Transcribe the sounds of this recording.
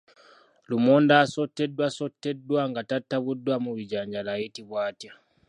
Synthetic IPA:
lumondasotːedwasotːedwaŋɡatatːaβudwamuβiɟaːɲɟalajitiβwaːtja

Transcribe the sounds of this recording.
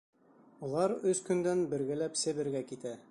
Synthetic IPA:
ulˠɑɾɵskɵ̆nd̪ænbɘ̆ɾɡɘ̆læpsɘ̆βɘ̆ɾɡækit̪æ

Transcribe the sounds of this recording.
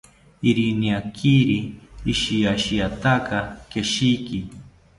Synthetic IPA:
iɾiniakʰiɾiːʃijaʃijat̪akakeʃiki

